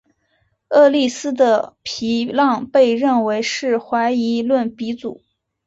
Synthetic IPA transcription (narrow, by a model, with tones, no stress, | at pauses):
ɤ˥˧li˥˩sɹ̩˥d̪ə˨pʰi˧˥lɑ˥˧ŋpe˥˧ɪɻə˥˩nwe˧˥ɪʂɻ̩˥˩xwa˧˥ɪi˧˥lwə˥˩npi˧˥t͡su˨˩˦